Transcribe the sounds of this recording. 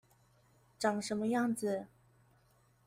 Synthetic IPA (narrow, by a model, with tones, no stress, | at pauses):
ʈ͡ʂɑ˨˩ŋʂə˧˥nmə˧jɑ˥˩ŋd͡zɹ̩˨˩